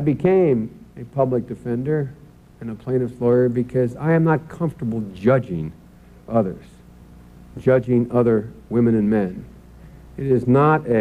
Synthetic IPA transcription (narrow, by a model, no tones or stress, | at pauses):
aɪbɨkʰẽɪ̃mɨpʰʌblək̚d̥ɨfɛ̃ndə˞ | ɨ̃nəpʰl̥ẽɪ̃ñʌvlɔɪə˞bɨkʰʌzaɪɨ̃mnət̚kʰʌ̃ɱftə˞bl̩ˠd͡ʒʌd͡ʒɪ̃ŋ | ʔʌðə̰˞z̥ | d͡ʒʌd͡ʒɪ̃ŋʌðə˞wɪ̃mɨ̃nɨ̃nmɛ̃n | ɨɾɪznəɾɨ